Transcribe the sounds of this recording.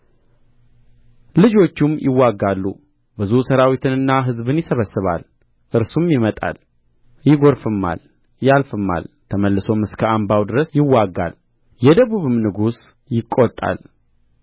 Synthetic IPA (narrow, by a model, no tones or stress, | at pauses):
lɨd͡ʒo̞t͡ʃːumjʔɪwːaɡːalːṵ | bɨzusəɾawit̪ʰɨnɨnːaɦɨzbɨnjɪsəβəsɨβa̰l | ʔɨɾsumjɪmət̪ʼa̰l | jɪɡo̞ɾfɨmːa̰l | jalfɨmːa̰lt̪ʰəməlːɨso̞mɨskʰəambawd̪ɨɾəsjɪwːaɡːa̰l | jɛd̪əβuβɨmnɨɡus | jɪkʼːot̪ʼːa̰l